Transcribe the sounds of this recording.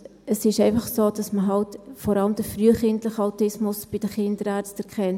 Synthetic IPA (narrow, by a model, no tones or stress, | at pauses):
əsɪʃɛɪfɑχsoːd̥ɑsməɦɑltfɔɾɑləmd̥əfɾyəχɪntləχəɑʊtɪsmʊsb̥ɪd̥əχɪndəɾæɾstɛɾkχɛn